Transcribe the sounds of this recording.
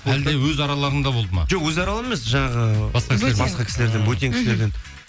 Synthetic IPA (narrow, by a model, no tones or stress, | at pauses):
æld̪e̞wɵzɑɾɑlˠɑɾənd̪ɑbo̞lˠd̪əmɑ̰ʒ̥oqwɵzɑɾɑlˠənemesʒɑɴɑʁəbɑsqɑsebɑsqɑkʲʰɪ̥sɪle̞ɾd̪enbujt̪iŋkʰʲɪ̥sle̞ɾd̪en